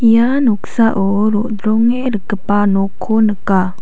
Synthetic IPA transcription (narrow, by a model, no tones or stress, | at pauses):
januksaʔoɾoʔd̪ɾɔŋeɾəkəpanokʰonəka